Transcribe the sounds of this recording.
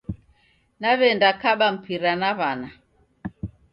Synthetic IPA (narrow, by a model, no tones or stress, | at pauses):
naβɛndakaɓam̩piɾanaβana